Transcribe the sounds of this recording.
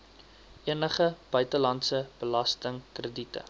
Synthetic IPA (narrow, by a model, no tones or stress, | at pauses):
ʔiənəχəb̥œɥtəlɐntsəb̥əlɐstəŋkrəditə̰